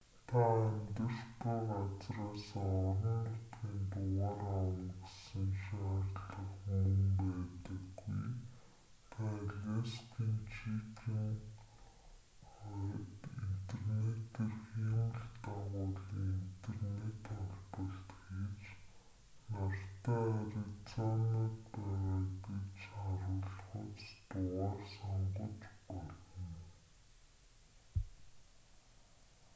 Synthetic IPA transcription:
t̪ʰaæmʲt̪ə̆r̥t̪ɔːʁat͡sraːsaɔɾɞ̆nt̪ʊt̪ɡiːnt̪ʊʁaːrawə̆nɡesə̆ŋʃaːrɮə̆χumə̆mpæːt̪ə̆ɡːṵj | t̪ʰaɮʲeskʰiːnt͡ɕʰitiːŋ | tint̪ʰernet̪eːrxeːn̆ɮt̪aʁʊːɮiːŋin̥t̪ʰernet̪χɔɮpə̆ɬt̪ɡet͡ɕ | nar̥t̪aːaɾet͡sɔnat̪pæːʁaːɡet͡ɕaɾʊːɮχʊ̆t͡st̪ʊʁaːrsɔɴɢɞ̆t͡ɕpɔɮɞ̆n

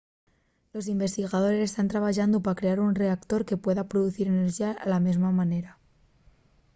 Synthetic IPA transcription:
lo̞s̬imbe̞st̪iɣað̞o̞ɾe̞se̞st̪ant̪ɾaβ̞aʝand̪opakɾe̞aɾunre̞akt̪o̞ɾke̞pwe̞ðapɾoðuθiɾeneɾʒiaʔalamezmamane̞ɾa

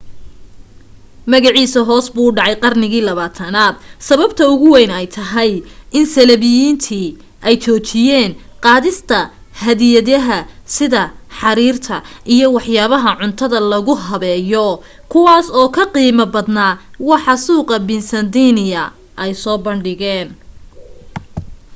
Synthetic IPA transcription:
mɐɣɑʕiːsɐɦɔːsbuɖɑʕɑjqɑrnɪɣiːlɐβaːt̪ʰɐnaːd̪̥sɐβɐbt̪ʰɐʊɣʊwɛjnɛjt̪ʰɐɦɛjʔɪnsɐlɐβɪjiːnt̪ʰiː | ʔɛjt͡ʃʰɔːt͡ʃʰɪjɛːnqɑːðɪst̪ʰɐ | hɐðɪjɐðɐɦɐsɪðɐħɑɾiːrt̪ʰɐʔijɔwɑħjaːβɐɦɐʕʊnt̪ʰɐðɐlɐɣʊɦɐβɛːjɔ | kʰʊwɑːsɔːkʰɐqiːmɐbɐd̪naːwɑħɑsuːqɐbɪnsɐnd̪iːnɪjɐ | ʔɛjsɔːbɐɳɖɪɣɛːn

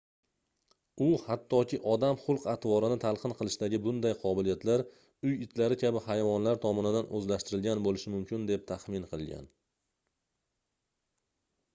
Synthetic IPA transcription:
ʊhat̪ʰːɒkʲɪʔɒd̪amχʊlˠqat̪vɒɾɪnɪt̪ʰalˠqʰɨnqʰɨlˠɪʃd̪aɡʲɪbʊnd̪ajqʰɒbɪlijat̪laɾ | ʊjɪt̪ʰlaɾɪkʲʰabɪhajvɒnlaɾt̪ʰɒmɒnɪd̪anʔɵzlaʃt̪ɪɾɪlɡʲanbolɪʃɪmʊmkʲɪnd̪e̞p̚t̪ʰaχmɪnqʰɨlˠɡʲa̰n

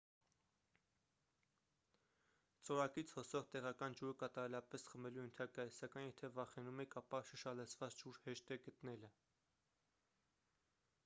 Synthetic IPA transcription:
t͡sɔɾɑkit͡sʰhɔsɔʁt̪ɛʁɑkɑnd͡ʒuɾəkɑt̪ɑɾɛlɑpɛsχəmɛlujənt̪ʰɑkɑjsɑkɑjnjɛt̪ʰɛvɑχɛnumɛkʰɑpɑʃəʃɑlət͡sʰvɑt͡sd͡ʒuɾhɛʃt̪ɛɡət̪nɛlə

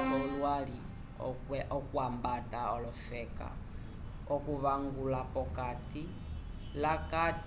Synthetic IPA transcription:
ɔlwalḭ | ɛʔɔkwambataɔlɔfɛka̰ | ɔkuβaŋɡulapɔkati | lakat

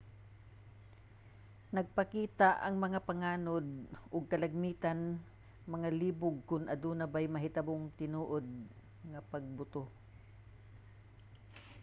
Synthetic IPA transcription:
nɐɡ̚pɐkiːt̪aʔɐŋmɐŋapɐŋaːnod̪̚ʔʊɡ̚kɐlɐɡ̚miːt̪an | mɐŋaliːbʊɡ̚kʊnʔɐd̪unɐbajmɐɦɪt̪aboŋt̪ɪnuːʔod̪̚ | ŋɐpɐɡ̚bʊt̪o

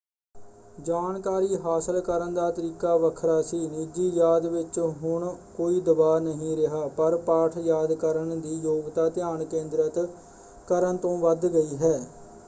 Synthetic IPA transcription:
d͡ʒaːnkaːɾiːɦaːsəlkəɾənd̪aːt̪əɾiːkaːʋəkʰɾaːsiːniːd͡ʒiːjaːd̪ʋɪt͡ʃɦʊɳkoːiːd̪əbaːnəɦĩːɾɪɦaːpəɾpaːʈʰjaːd̪kəɾəɳd̪iːjoːɡt̪aːt̪ɪjaːɳkẽːnd̪ɾət̪ | kəɾənt̪õːʋəd̪ɡəiːɦɛː

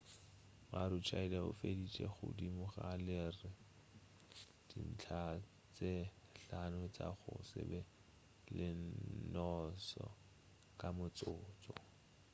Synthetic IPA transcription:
maɾʊt͡ʃʰailɛʊ̰fedit͡ʃʼɛχʊ̰dimʊχalɪrɪ | d̥in̩t͡ɬʰa | t͡seɬanʊt͡sʼaχʊ̰sɪ̰bɛ | lɪnɔsɔ | kʼamʊt͡sʼʊːt͡sʼɔ

